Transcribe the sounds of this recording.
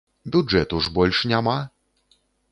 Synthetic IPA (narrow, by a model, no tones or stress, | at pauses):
bʲudʐɛt̪uʐbɔlʲʂɲʲama